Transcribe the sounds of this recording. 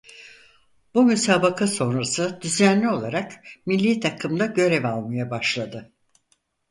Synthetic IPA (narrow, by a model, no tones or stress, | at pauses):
b̥umysaːbakʰaso̞nɾasɯd̪yzænlʲio̞lˠaɾakmilʲːit̪ʰakʰɯmd̪aɟø̞ɾɛvalˠmajabaʃlˠad̪ɯ